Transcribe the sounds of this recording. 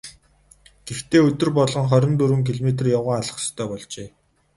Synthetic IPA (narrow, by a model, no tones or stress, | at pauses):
ɡ̥ext̪ʰeːɵt̪ɵ̆rpɔɮʁɞ̆ŋχœɾʲɪ̆nt̪uɾwɘ̆ŋkʰiɮmet̪̬rjawʁaːaɮə̆χt̪ʰːœːpɔɮt͡ɕeː